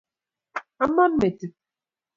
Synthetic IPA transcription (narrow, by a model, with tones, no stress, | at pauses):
a˦ma˦n˦me˨ti˨